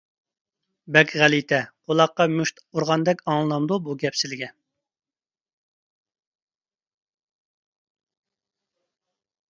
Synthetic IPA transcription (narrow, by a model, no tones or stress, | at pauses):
bɛkʲʁælit̪ʰɛqʰolˠɑqːɑmyʃt̪uɾʁɑnd̪ɛkʲɑŋlˠɨlˠɑmd̪ubuɡʲɛpsɪlɪɡʲɛn